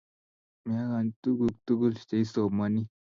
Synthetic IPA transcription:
ma˦ɣa˨nt̪u˦ɡu˨k̚t̪u˦ɡu˦lʃt̪e˨i˦so˨ma˨ni˦

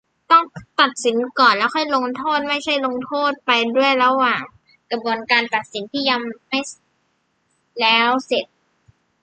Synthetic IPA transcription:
t̪ɔ˥˩ŋt̪a˨˩t̪̚si˩˦nkɔː˨˩nlɛː˦˥wxʰɔ˥˩jlo˧ŋt̪ʰoː˥˩t̪̚ma˥˩jt͡ɕʰa˥˩jlo˧ŋt̪ʰoː˥˩t̪̚pa˧jdu˥˩əjɾa˧waː˨˩ŋ | kɾa˧bu˧ənkaː˧nt̪a˨˩t̪̚si˩˦nt̪ʰiː˥˩ja˧ŋma˥˩j | lɛː˦˥wse˨˩t̪̚

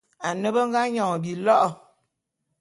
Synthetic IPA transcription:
a˨nə˦bə˦ŋ̩˦ɡa˦ɲɔ˨ŋ˨bi˨lɔ˦ʔɔ˨

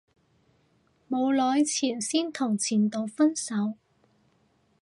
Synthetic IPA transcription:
mo˨˧wlɔː˨˧jt͡sʰiː˨˩nsiː˥nt̪ʰʊ˨˩ŋt͡sʰiː˨˩nt̪o˨˧wfɐ˥nsɐ˨˥w

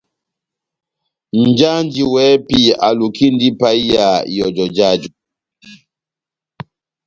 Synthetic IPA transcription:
n̩˨d͡ʒa˦nd͡ʒi˨wɛ˨˦pi˨a˨lu˨ki˦ndi˦pa˦i˦ja˨jɔ˨d͡ʒɔ˨d͡ʒa˦˨d͡ʒu˨

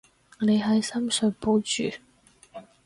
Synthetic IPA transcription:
ne˨˧jɦɐ˨jsɐ˥msɵ˨˧ɥpo˨˥wt͡ʃyː˨

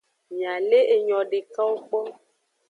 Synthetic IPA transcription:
mĩ˨ã˨le˦ʔe˨ɲɔ̃˨ɖe˨ka˦wo˦k͡pɔ˦

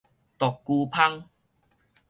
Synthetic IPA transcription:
t̪ɔ˨˩kːu˧pʰa˦ŋ

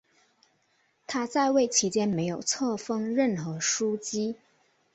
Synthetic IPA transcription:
t̪ʰa˥t͡sa˥˧ɪwe˥˩ɪt͡ɕʰi˧˥t͡ɕjɛ˥nme˧˥ɪjo˨˩ʊt͡sʰɤ˥˧fɤ˥ŋɻə˥˩nxɤ˧˥ʂu˥t͡ɕi˥

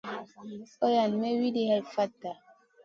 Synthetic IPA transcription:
o˦ja˨nme˦wi˦di˦hɛ˨fa˦tːa˨

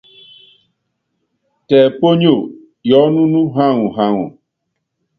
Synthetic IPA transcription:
tɛː˨po˦ɲo˦˨ | jɔ˨˦nũ˦nu˦ɦa˦˨ŋu˨ɦa˦˨ŋṵ˨

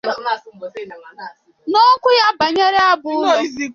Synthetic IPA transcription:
no˦ŋ̩˦kʷʊ˦ja˦ba˨ɲe˦ɾe˦a˦bʊ˦˨˦zi˦

